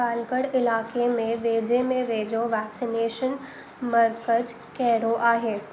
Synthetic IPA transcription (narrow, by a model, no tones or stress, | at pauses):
aːlkəɽɪlaːkemẽʋeːd͡ʑemẽʋeːd͡ʑoʋɛːksineːʃən | mɐɾkəd͡ʒ | kɛɦɾoʔaːɦeː